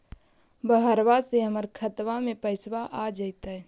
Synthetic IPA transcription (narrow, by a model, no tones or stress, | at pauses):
bəɦəɾwaseɦəməɾkʰət̪ʋamẽpəɪswaʔad͡ʒəɪt̪ə